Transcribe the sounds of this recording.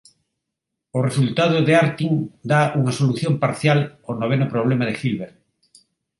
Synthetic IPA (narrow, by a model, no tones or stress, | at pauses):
ʊresult̪að̞ʊðeaɾt̪iŋd̪auŋɐsoluθjompaɾθjalonoβ̞enʊpɾoβ̞lemaðɪxilβeɾ